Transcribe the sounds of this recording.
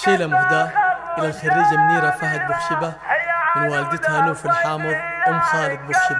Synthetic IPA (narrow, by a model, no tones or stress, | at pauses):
ʃeːlamʊhd̪aːɾʔɪlːalxaɾːiːd͡ʒamniːɾafaɦat̪̚bʊxʃɪbamɪnwaːlɪd̪ɪt̪hanuːfilħaːmɨðˤʔʊmxaːlɪɡ̪̚bʊxʃɪba